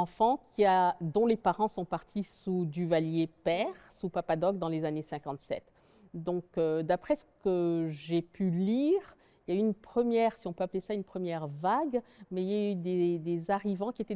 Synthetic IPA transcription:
ɑ̃fɑ̃kʰʲiad̪ɔ̃lepaʁɑ̃sɔ̃paʁt̪ʰisud̪yvaljepɛʁsupapad̪ɔk̚d̪ɑ̃lezanesɛ̃kɑ̃t̪sɛ̰t̪ | d̪ɔ̃kød̪apχɛsə̥kəʒepʰyliʁ | iljayːnpχəmjɛʁsiɔ̃pøaplesaynpχəmjɛʁvaɡmɛiljayd̪ed̪ezaʁivɑ̃kʲiet̪ɛ

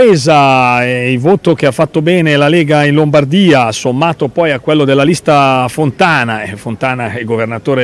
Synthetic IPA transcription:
eːzaeilvoːt̪ok̟eafːat̪ːobɛːnelaleːɡainlombard̪iːasomːaːt̪opɔjakːwelːod̪elːalist̪afont̪aːnaɛfont̪aːnaiɡovernat̪oːɾe

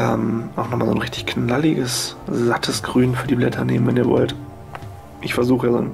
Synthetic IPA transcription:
ʔɛ̰ːmʔaʊxnɔχmaːlzo̰ːnʁɪçtɪçknalɪɡəszatʰəsɡ̥ʁyːnfyːɐdiːblɛtʰɐnḛːmənvɛniːɐvɔ̰lt | ʔɪçfɛɐzuːxəazo̰ːn

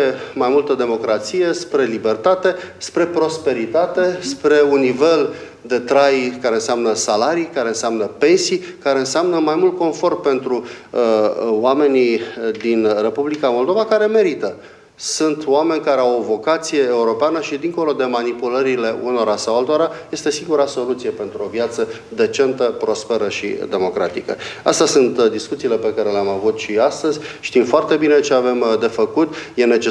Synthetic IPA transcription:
emajmult̪əd̪e̞mo̞kɾat̪sije̞spɾe̞libe̞rt̪at̪e̞spɾe̞pɾo̞spe̞ɾit̪at̪e̞spɾe̞unːive̞l | d̪e̞t̪ɾajkaɾe̞ɨnseamnəsalaɾijkaɾe̞ɨnseamnəpe̞nsijkaɾe̞ɨnseamnəmajmult̪̚ko̞nfo̞rt̪̚pe̞nt̪ɾu | wame̞nid̪inre̞publikamo̞ld̪o̞vakaɾe̞me̞ɾit̪ə | sunt̪oame̞nʲkaɾe̞awovo̞kat̪sije̞ːuɾo̞peanəʃid̪iŋko̞lo̞d̪e̞manipuləɾile̞uno̞ɾasawalt̪oɾaje̞st̪e̞siŋɡuɾaso̞lut̪sije̞pe̞nt̪ɾuo̞vjat̪sə | d̪e̞t͡ʃe̞nt̪əpɾo̞spe̞ɾəʃḭd̪e̞mo̞kɾat̪ikə̰ast̪asunt̪d̪iskut̪siːle̞pe̞kaɾe̞leamavut̪ʃiast̪əzʲʃt̪imfoart̪e̞bine̞t͡ʃe̞ave̞md̪e̞fəkut̪je̞ne̞t͡ʃe

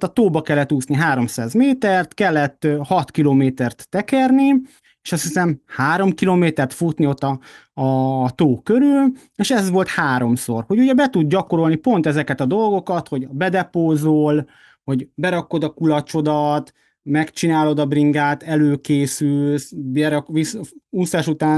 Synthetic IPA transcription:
t̪ɒt̪oːbɒkɛlːɛt̪ːuːsniɦaːɾo̞msaːzmeːt̪ɛrt̪kɛlːɛt̪ːhɒt̪kiloːmeːt̪ɛrt̪ːɛkɛrni | eːʃɒst̪hisɛmhaːɾo̞mkiloːmeːt̪ɛrt̪fut̪nio̞t̪ːɒː | t̪oːkøɾyl | eʃɛzʋo̞lt̪haːɾo̞mso̞̰rho̞ɟuɟɛbɛt̪ud̪̚ɟɒko̞ɾo̞lnipo̞nt̪ɛzɛkɛt̪ɒd̪o̞lɡo̞kɒt̪ho̞ɟbɛd̪ɛpoːzoːl | ho̞ɟbɛɾɒko̞d̪ɒkulɒt͡ʃo̞d̪ɒt̪ | mɛkt͡ʃinaːlo̞d̪ɒbriŋɡaːt̪ɛløːkeːsylsbɛɾɒkʋisusːaʃut̪aː

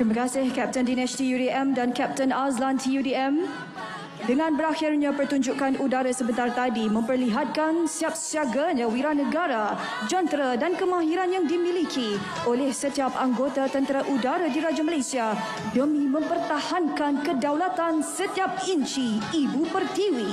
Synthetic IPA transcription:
tt̪ɾimakasɪhkɛp̚təndinɛst̪ijudiɛmdankɛp̚t̪ənaslant̪ʰijudiɛm | dəŋãnbəɾaxɪrɲãpərt̪uɲd͡ʒukanudaɾasəbənt̪art̪adimə̃mpərliɦat̪̚kansiap̚siaɡaɲãwiɾanəɡaɾa | d͡ʒɔnt̪ɾadankəmãɦiɾanjaŋdimĩlikʰi | olɛhsət̪iapaŋɡot̪at̪ənt̪əɾaʔudaɾadiɾad͡ʒaməlasia | dəmĩmə̃mpərt̪ahankankədawlat̪ansət̪iap̚iɲt͡ʃiibupərt̪iwi

